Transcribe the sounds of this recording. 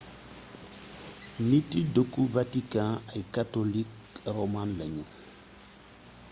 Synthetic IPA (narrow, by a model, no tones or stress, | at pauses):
nĩtidokuvatikãaikatolik | ɾomãnlaɲũ